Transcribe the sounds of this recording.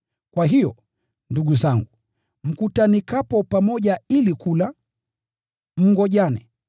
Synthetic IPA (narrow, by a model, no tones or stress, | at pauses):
kwaɦijɔ̰ | nduɡuzaŋɡu | m̩kutanikapɔpamɔʄailikula | m̩ŋɡɔʄanɛ